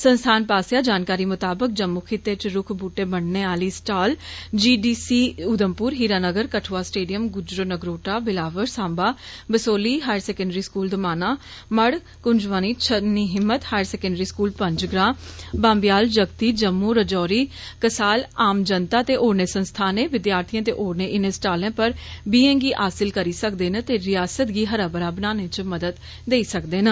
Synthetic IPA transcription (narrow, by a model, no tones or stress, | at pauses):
sənst̪ʰaːnpaːsjaːd͡ʒaːnkaːɾiːmʊt̪aːbək̚d͡ʒəmːuːkʰit̪ːet͡ʃɾʊkʰbuːʈeːbəɳneːaːliːsʈaːld͡ʒiːɖiːsiːʊd̪əmpʊːɾɦiːɾaːnəɡəɾkəʈʰʋaːsʈeːɖijəmɡʊd͡ʒɾonəɡɾoːʈaːbɪlaːʋəɾsãːmbaːbəsoːliːɦaːjəɾsɛːkəɳɖəɾiːskuːld̪əmaːnaː | məɽ | kʊɲd͡ʒʋaːniːt͡ʃʰəniːɦɪmːət̪haːjəɾsɛːkə̃ɳɖəɾiːskuːlpə̃ɲd͡ʒɡɾãːbãːmbɪjaːld͡ʒəɡt̪iːd͡ʒəmːuːɾəd͡ʒɔːɾiː | kəsaːlaːmd͡ʒənt̪aːt̪eːʔoːɾneːsənst̪ʰaːneːʋɪd̪jaːɾt̪ʰijãːt̪̬ḛːʔoːɾneːʔɪnẽsʈaːlẽːpəɾbiːɛ̃ːŋɡiːʔaːsɪlkəɾiːsəkd̪eːnə̃t̪eːɾɪjaːsət̪ɡiːɦəɾaːbəɾaːbənaːnẽt͡ʃəməd̪əd̪ | d̪eːiːsəkd̪eːnə